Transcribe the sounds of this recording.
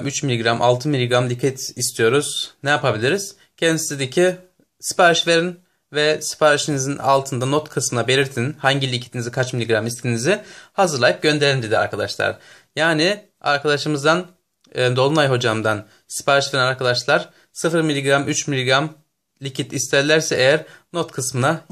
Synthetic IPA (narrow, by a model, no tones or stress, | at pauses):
myt͡ʃmilʲiɡɾamʔa̰lˠt̪ʰɯmilʲiɡɾamlʲicʰit̪ʰist̪ʰijo̞ɾuz̥nɛjapʰabilʲiɾiz̥ | cʰɛnd̪ised̪ecʰi | sɯ̥pʰaɾiʃveɾin | vɛsi̥pʰaɾiʃinizina̰lˠt̪ʰɯnd̪anot̪kʰɯsmɯnabe̞lʲiɾt̪ʰinhaɲɟilʲicʰit̪ʰinizikʰat͡ʃmilʲiɡɾamist̪ʰinizɪhazɯɾlˠajɯp̚ɟø̞nd̪eɾind̪ed̪ia̰ɾkʰad̪a̰ʃlˠa̰ɾ | jaːnɪ | a̰ɾkad̪aʃɯmɯzd̪anː | d̪o̞lˠunajɦo̞d͡ʒamd̪an | sɯ̥pʰaɾiʃveɾinaɾkʰad̪aʃlˠaɾ̥ | sɯfɯɾmilʲːiɡɾamyt͡ʃmilʲiɡɾam | lʲicʰit̪ist̪ʰæɾlʲæɾsɛejæɾnot̪kʰɯsmɯna